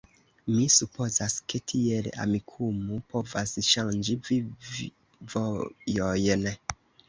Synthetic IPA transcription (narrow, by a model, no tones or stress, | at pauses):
misupo̞zaske̞tʰiela̰mikʰumupovasʃand͡ʒivi | vojojn